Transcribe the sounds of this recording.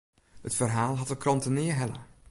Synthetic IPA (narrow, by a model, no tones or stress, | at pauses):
hətfərɦaːlˠɦɑtəkrɑntənɪːəɦɛlə̰